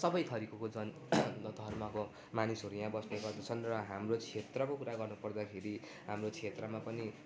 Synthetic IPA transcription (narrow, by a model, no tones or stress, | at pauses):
sʌbʌjt̪ʰʌɾikʌkod͡zʌn | d̪ʱʌrmʌko | manisɦʌɾujãbʌsneɡʌrd̪ʌt͡sʰʌnrʌɦamrot͡sʰet̪rʌkokuɾaɡʌrnupʌrd̪akʰeɾi | ɦamrot͡sʰet̪rʌmapʌni